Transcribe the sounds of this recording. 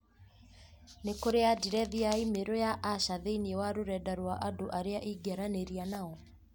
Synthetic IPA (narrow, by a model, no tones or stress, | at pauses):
nekoɾeadiɾɛðiaimeɾojaʔaʃaðeiniewaɾoɾɛdaɾwaʔadoʔaɾeaʔiɡaɾaneɾianaɔ